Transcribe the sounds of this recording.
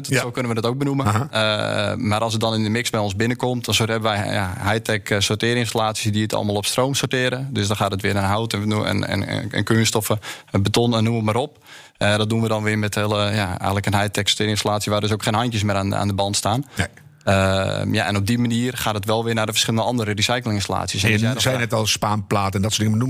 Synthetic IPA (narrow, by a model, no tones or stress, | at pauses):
dsoːkønəʋədɔtowk̚bənumə̰ | maʔɑlˠsət̚dɔnɪnəmɪksbɛjonzbɪnəkɔmtdɔnsothɛbəʋɛ̰jja̰ɦɛjtʰɛksotɪːɾɪnstalaːtsjisdiətʰɑ̰lˠmaːlˠopstrowmsotɪəɾədøsdɔnxaːtətʋɪənənɦawtn̰n̰ə̰nkyənstɔfəbətonənuəmaɾɔp | dɔt̚dunʋədɔnʋɪəmɛtɪlˠəjaɛ̰jətləkənɦajtɛkso̥tɪːɾɪnstalaːtsjiəʋaːdøs̬owkxeːnɦɑntjəs̬mɪːɾana̰ːndəbɑntstaːn | əja̰ʔɛ̰nob̚dimaniːərχaːtətʋɛlˠʋɪnadəfərsxχɪləndəɑndəɾərisajklˠɪŋɪnstala̰ːtsjəszɛjnɛtɔlˠspaːnplaːtəndɔtsdɪŋəənum